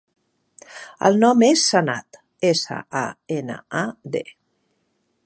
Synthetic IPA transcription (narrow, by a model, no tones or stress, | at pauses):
ə̰lˠnɔmesːənat̪ | esə̰ʔaenə̰ad̪e